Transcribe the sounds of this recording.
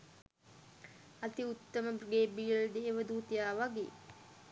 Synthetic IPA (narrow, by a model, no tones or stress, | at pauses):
at̪iut̪ːəməbɡeːbiːəld̪eːʋəd̪uːt̪ijaːʋaɡḛː